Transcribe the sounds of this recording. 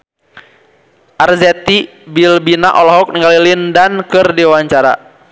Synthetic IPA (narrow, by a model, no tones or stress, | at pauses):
ʔarzɛt̪i | bilbinaʔɔlɔɦɔk̚niŋɡalilindankɨrdiwaɲt͡ʃaɾa̰